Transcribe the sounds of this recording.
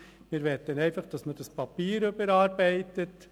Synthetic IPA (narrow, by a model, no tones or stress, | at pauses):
mɪːɾʋɛt̪ːənɛɪfɑχd̥ɑsməd̥ɑspɑpiːɾøbəɾɑːɾbɛɪtət